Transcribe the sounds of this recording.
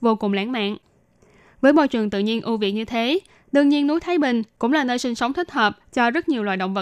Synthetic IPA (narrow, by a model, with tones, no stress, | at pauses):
vo˧kʊ˨˩ŋ͡mla̰ː˧˥nma̰ː˧˨n | vəː˨˦jɓɔ̰˧˨jt͡ɕwɨ˨˩əŋt̪ɨ̰˧˨ɲi˧ənʔu˧vḭ˧˨əɲɨ˧t̪ʰe˨˦ | ɗɨ˧əŋɲi˧ənːu˨˦jt̪ʰaː˨˦jɓï˨˩ŋ̟kʊ̰˧˥ŋ͡mlaː˨˩nəː˧jsï˧ŋ̟sə˨˦wŋ͡mt̪ʰï˦˥k̟̚həː˨˩p̚t͡ɕɔ˧zə˦˥t̚ɲi˨˩əwlwa̰ː˧˩ɗə̰˧˨wŋ͡mvə˧˨